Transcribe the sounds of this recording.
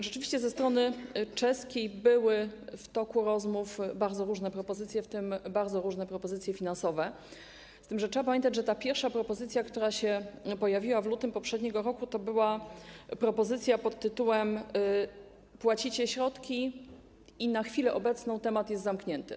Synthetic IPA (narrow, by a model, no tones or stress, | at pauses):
ʐɛt͡ʂɘvʲiɕt͡ɕɛzɛst̪ɾɔnɘt͡ʂɛskʲejbɘwɘft̪ɔkuɾɔzmufbaɾd̪zɔɾuʐnɛpɾɔpɔzɘt̪sʲjɛft̪ɘmbaɾd̪zɔɾuʐnɛpɾɔpɔzɘt̪sʲjɛfʲinansɔvɛ | st̪ɘmʐɛtʂɛbap̬amʲjɛ̃nt̪ad͡ʑʐɛt̪apʲjɛɾfʂapɾɔpɔzɘt̪sʲjakt̪uɾaɕɛpɔjavʲiwavlut̪ɘmpɔpʂɛd̪ɲɛɡɔɾɔkut̪ɔbɘwapɾɔpɔzɘt̪sʲjapɔt̪ːɘt̪uwɛm | pwat͡ɕit͡ɕɛɕɾɔt̪kʲi | inaxfʲilɛʔɔbɛt̪snɔ̃w̃t̪ɛmat̪jɛst̪zamkɲɛnt̪ɘ